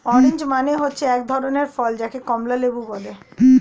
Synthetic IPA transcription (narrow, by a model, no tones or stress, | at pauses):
ɔɾend͡ʑmaneɦotːɕʰeɛk̚d̪ʱɔɾoneɾfɔld͡ʑakekɔmlalebubɔle